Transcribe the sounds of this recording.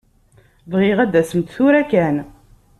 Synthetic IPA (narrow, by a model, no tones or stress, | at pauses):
vʁɪʁæd̪æsəmt̪θuɾækæn